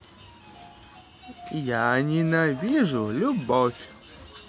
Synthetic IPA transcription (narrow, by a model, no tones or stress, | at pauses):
janʲɪnɐvʲiʐʊlʲʊbofʲ